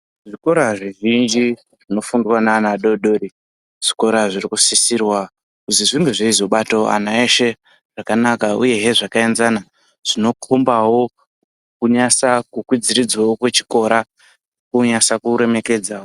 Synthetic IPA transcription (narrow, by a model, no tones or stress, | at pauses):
ʐiko̞ɾaʐiʐind͡ʒi | ʐino̞fundwananaɗo̞ɗoɾi | ʐ̥iko̞ɾaʐirikusisirwa | kuziʐinduʐeizo̞ɓato̞a̰naeʃe̞ | ʐ̥akanakaṵje̞ɦe̞ʐakaenzana | ʐ̥ino̞kʰombawo̞ | kuɲasakukwid͡ziɾid͡zwawokwe̞t͡ʃi̥ko̞ɾa | kuɲasakuɾe̞me̞ke̞d͡zawo